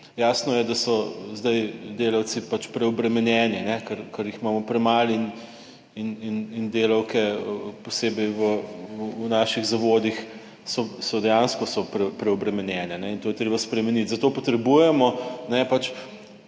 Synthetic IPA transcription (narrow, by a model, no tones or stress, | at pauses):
jaːsnɔjɛd̪asɔzd̪ajd̪eːlɐw̪sipat͡ʃpɾɛɔbɾɛmɛnjɛːninɛkəɾkɐɾjiximaːmɔpɾɛmalin | ininind̪eːlɐwkɛpɔseːbɛjʋəː | naːʃiɣzɐʋoːd̪ix | sɔsɔd̪ɛjanskɔsɔpɾɛpɾɛɔbɾɛmɛnjɛnɛnɛint̪ojɛt̪ɾeːbaspɾɛmɛnit̪zɐt̪oːpɔt̪ɾɛbujɛmɔnɛpat͡ʃ